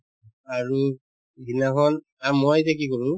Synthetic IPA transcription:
aɹu | ɡinakɔn | amɔjzɛkikɔɹũ

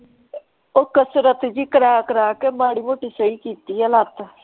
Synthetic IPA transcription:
ʊkəsɾət̪d͡ʒiːkəɾaːkəɾaːkeːmaːɽiːmoːʈiːsəiːkiːt̪iːəlat̪

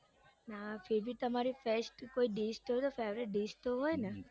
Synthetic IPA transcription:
nafebʱit̪əmaɾifesʈkoiɖisʈɦɔjt̪ofeʋɾeʈ̚ɖisʈt̪oɦojne

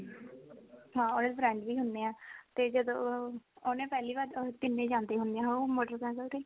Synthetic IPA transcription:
ɦãːoːneːd̪bɾɛ̃ːɳɖbiːɦʊnd̪eːɛ̃ːt̪eːd͡ʒəd̪õːoːnẽːpɛːliːʋaːɾt̪ɪnːẽːd͡ʒãːnd̪eːɦʊ̃nd̪ẽːãɦomoːɖəɾkɛ̃ːkəlʈ̪eː

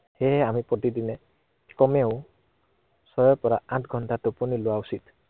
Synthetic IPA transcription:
heɦamipɔt̪id̪ine | kɔmew̃ | sɔjɔpɔɾaatʰɡʱɔnʈatupuniloausit̪

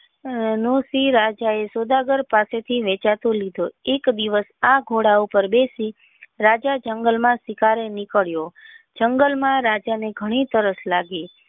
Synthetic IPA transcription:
nosiɾad͡ʒaesod̪aɡəɾpaset̪ʰiʋɛt͡ʃat̪olid̪ʱoekd̪iʋəsaɡʱoɽaupəɾbesi | ɾad͡ʒad͡ʒəŋɡəlmãsɪkaɾenikəɭjod͡ʒəŋɡəlmãɾad͡ʒaneɡʱəɽ̃it̪əɾəslaɡe

